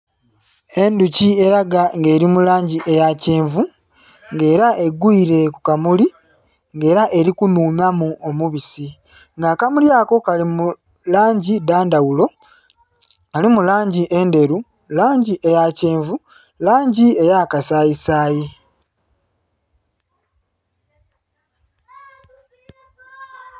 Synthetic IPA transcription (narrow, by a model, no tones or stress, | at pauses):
e̞nducie̞ɾaɡaŋɡe̞ːɾimulaːɲɟiʔe̞jace̞ːɱvu | ŋɡe̞ːɾaʔe̞ɡuiɾe̞kukamuli | ŋɡe̞ːɾaʔe̞ɾikunuːmamuʔomuβisi | ŋɡakamuljaːko̞kalimu | laːɲɟidaːndawulo̞ | alimulaːɲɟiʔe̞nde̞ɾu | laːɲɟiʔe̞jaceːɱvu | laːɲɟie̞jakasaːjisaːji